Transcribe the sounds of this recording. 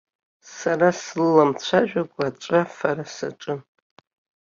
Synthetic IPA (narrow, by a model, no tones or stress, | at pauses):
saɾasllamt͡ɕʷʰaʒᶣaɡʷʼaːt͡ʃʷʼafaɾasaʈ͡ʂʼɨn